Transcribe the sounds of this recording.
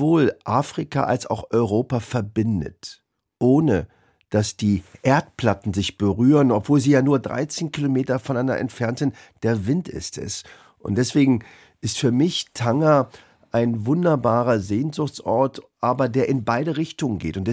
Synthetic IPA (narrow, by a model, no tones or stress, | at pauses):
voːlʔaːfʁ̥ika̰ʔa̰lsa̰ʊxɔʏʁoːpafɛɐbɪndə̰t | ʔoːnə | d̥asd̥iːʔeːɐtpl̥atn̩zɪçb̥əʁyːʁənɔpv̥oːlziːjaːnuːɐdʁa̰ɪt͡seːnkilomeːtɐfɔnandɐ̰ʔɛ̰ntfɛɐntn | d̥eːɐvɪntɪ̰stɛ̰s | ʔʊ̰ntd̥ɛsv̥eːɡŋ̩ | ʔɪstfyːɐmɪçtʰaŋa | ʔaɪnvʊndɐbaːʁɐzeːnzʊxt͡sʔɔɐtʔaːbɐdeːɐʔɪnbaɪɾəʁɪçtʊŋənɡeːtʊntd̥ɛ